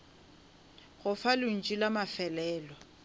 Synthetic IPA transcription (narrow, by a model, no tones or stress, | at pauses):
ɣʊfalʊn̩t͡ʃʼilamafɛlɛːlɔ